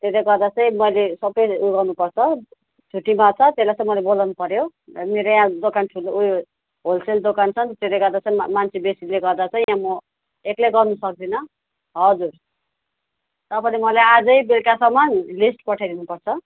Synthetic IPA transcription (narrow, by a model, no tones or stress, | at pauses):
t̪eɾʌjɡʌrd̪at͡sʌĩmʌjlesʌbʌjuɡʌrnupʌrt͡sʰʌ | t͡sʰuʈimat͡sʰʌt̪elajt͡sʌ̃ĩmʌlebolawnupʌɾjoneɾʌjãd̪okanʈʰulj | ɦolseld̪okant͡sʰʌnt̪t̪eɾejɡʌrd̪at͡sʌĩmant͡sʰibesileɡʌrd̪at͡sʰʌj̃jãmʌ | eklejɡʌrnusʌk̚d̪inʌ | ɦʌd͡zur | t̪ʌpanimʌlajad͡zʌjbelkasʌmʌnlisʈpʌʈʰajd̪inupʌrt͡sʰʌ